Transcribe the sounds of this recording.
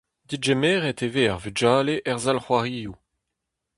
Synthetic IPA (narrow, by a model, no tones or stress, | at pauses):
d̪id͡ʒemeːʁeteveaʁvyd͡ʒaːleʔɛʁzalχwaʁiːju